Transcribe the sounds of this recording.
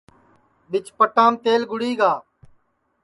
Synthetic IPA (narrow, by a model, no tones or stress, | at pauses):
ɓɪt͡ʃpəʈãːmt̪eːlɡʊɽiːɡaː